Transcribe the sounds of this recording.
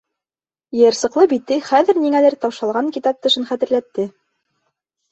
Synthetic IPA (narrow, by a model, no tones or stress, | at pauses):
jɤ̆ɾsɤ̆qlˠɤbit̪ːɘχæðɘ̆ɾniŋælɘɾt̪ɑwʃɑlˠʁɑŋkit̪ɑp̚t̪ɤ̆ʃɤnχæt̪ɘ̆ɾlæt̪ːɘ